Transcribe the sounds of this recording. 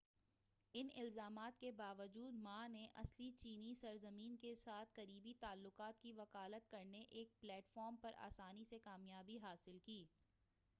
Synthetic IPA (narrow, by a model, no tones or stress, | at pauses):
ɪnɪ̰lzaːmaːt̪kebaːʋəd͡ʒuːd̪maneʔɐslit͡ʃiːnisɐɾzəmiːnkesaːt̪̚ʰkɐɾiːbit̪aːlːʊqaːt̪kiʋɐkaːlət̪̚kɐɾneʔeːk̚plɛːʈfɔːɾmpɐɾʔa̰ːsaːnisekaːmjaːbiɦaːsɪlkiː